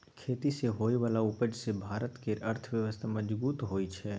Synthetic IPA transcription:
kʰeːt̪iseɦoːiʋaːlaʊpəd͡ʒsebʱaːɾət̪keɾəɾt̪ʰʋjəʋəst̪ʰaməd͡ʒbuːt̪ɦoːit͡ʃʰɛ

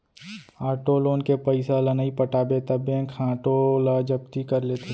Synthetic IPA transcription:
aːʈoloːnkepəɪsalənəipəʈaːbet̪ɐbẽkʰãːʈolad͡ʒəb̚t̪ikəɾlet̪ʰe

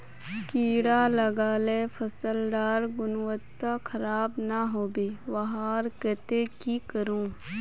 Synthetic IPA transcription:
kiːɽalɐɡaːlefʰɐsəlɖaːɾɡʊnwət̪ːakʰɐɾaːbnaɦoːbeːʋɐɦaːɾket̪ekikəɾũː

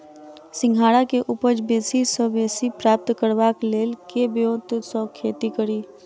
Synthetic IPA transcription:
sɪ̃ŋɡʱaːɽakeʔʊpəd͡ʒbeːsisəbeːsipɾaːp̚t̪kəɾʋakleːlkebjot̪sɔkʰeːt̪ikəɾiː

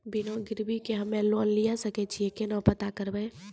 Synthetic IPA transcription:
binõɡɪɾbikeɦəmːelonlijasəkɛt͡ʃʰiekenɔ̃pət̪akəɾbɛ

